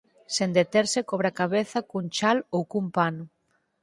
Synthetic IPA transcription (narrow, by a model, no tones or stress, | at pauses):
send̪et̪eɾsekɔβɾakaβeθɐkuŋt͡ʃalowkumpanʊ